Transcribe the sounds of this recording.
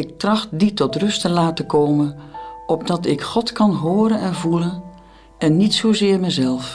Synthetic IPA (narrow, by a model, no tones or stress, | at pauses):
ɪk̚trɑxtditɔtrɵstəlaːtəkoːmənɔb̚dɑtɪkχɔtkɑnɦoːɾənɛnvulən | ɛnːitsoːzɪːɹmɛjzɛlˠf